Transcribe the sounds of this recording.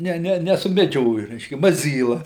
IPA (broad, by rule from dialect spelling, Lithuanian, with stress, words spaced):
ˈnʲɛ ˈnʲɛ nʲɛsʊmʲɛˈd͡ʒʲoːjʊ ˈrʲɛɪʃʲkʲɛ mɐˈzʲiːlˠɐ